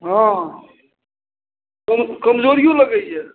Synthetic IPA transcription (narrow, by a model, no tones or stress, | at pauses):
ɦã | kəmkəmd͡ʒoːɾijõləɡəɛ